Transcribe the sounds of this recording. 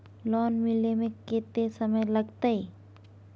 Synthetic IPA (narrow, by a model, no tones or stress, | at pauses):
lɔːnmɪlemẽkeːt̪esɐməjlɐɡt̪ai